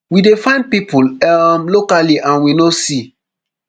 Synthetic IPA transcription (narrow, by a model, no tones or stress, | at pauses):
widefãɪ̃nd̚pipulɛmlokaliʔãnwinosi